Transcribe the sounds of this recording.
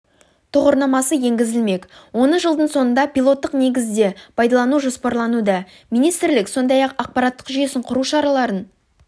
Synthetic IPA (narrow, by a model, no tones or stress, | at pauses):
t̪ʰʊʁoɾnɑmɑsəje̞ŋɡʲɪzɪlme̞kwo̞nəʒəlˠd̪əɴso̞nənd̪ɑpilˠo̞t̪ːəqne̞ɡʲɪzd̪e̞pʰɑjd̪ɑlˠɑnuʒo̞spɑɾlˠɑnud̪ɑ | mijnijst̪ɾlɪkso̞nd̪ɑjɑqɑq̚pɑɾɑt̪ːə̥qʒʏje̞sɪɴqʰʊɾuʃɑɾɑlˠɑɾən